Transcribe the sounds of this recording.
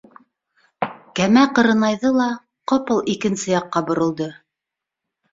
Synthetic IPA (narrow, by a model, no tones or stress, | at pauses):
kæmæqɤ̆ɾɤ̆nɑjðɤlˠɑ | qopɤlˠikɘ̆nsɘjɑqːɑbŏɾɤ̆lˠd̪ɤ